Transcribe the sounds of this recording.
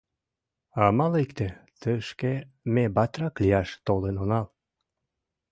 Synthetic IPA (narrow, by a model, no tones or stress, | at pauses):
ɑmɑlekt̪et̪əʃke | mebɑt̪rɑklijɑʃt̪olenonɑl